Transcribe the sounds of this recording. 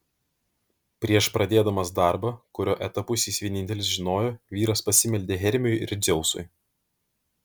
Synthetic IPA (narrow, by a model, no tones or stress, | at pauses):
pʲɾʲiɛʃpɾɐd̪ʲeːd̪ɐmɐsd̪ɑˑɾbɐkʊɾʲoːʔɛt̪ɐpʊsʲiːsʋʲiɛnʲɪnʲt̪ʲɛlʲɪsʒʲɪnoːjoːʋʲiːɾɐspɐsʲɪmʲɛlʲd̪ʲeːɦʲɛɾʲmʲɪjjɪɾʲzʲɛʊsʊ̰ɪ